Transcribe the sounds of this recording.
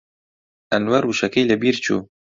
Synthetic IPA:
ʔɐnwɐɾuʃɐkɐjlɐbiɾt͡ʃʰṵː

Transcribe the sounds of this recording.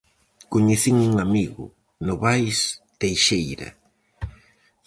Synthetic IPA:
koɲeθiŋuŋamiɣʊ̰ | nʊβajst̪ejʃejɾɐ̰

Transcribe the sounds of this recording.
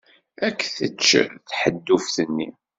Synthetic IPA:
ækːθət͡ʃːθħəd̪ːufθənːḭ

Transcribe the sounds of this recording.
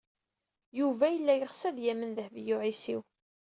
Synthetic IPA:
juvæjəlːæjəχsæðjæmːənðəhvjʊʕisiw

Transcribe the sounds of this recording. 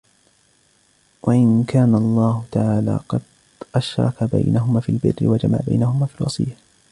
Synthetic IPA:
waʔɪnkʰaːnalˤːɑːhʊt̪aʕaːla̰ːqɑd̪ | ʔaʃɾˤɑ̰kaba̰jnaɦʊmaːfiːlbɪ̰rːɪ̰wad͡ʒama̰ʕba̰jnahʊmaːfiːlwɑsˤɨ̰jːa

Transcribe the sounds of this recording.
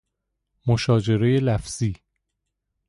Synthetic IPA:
moʃɒːd͡ʒe̞ɾejelæfz̥iː

